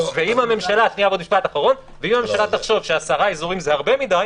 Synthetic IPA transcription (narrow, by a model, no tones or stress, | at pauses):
veimame̞mʃalat̪niabod̪miʃpat̪aχaʁo̞n | veimamemʃalat̪aχʃo̞vʃeasaʁaezuʁimzehaʁbe̞mid̪aj